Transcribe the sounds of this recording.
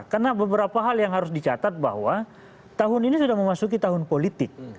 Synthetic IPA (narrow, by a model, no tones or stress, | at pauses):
karnabəbəɾapaɦaljaŋɦaɾʊs̬dit͡ʃat̪at̪̚ba̰hwa | t̪aɦʊninisudahməmasuk̬it̪aɦʊnpolit̪ɪk̚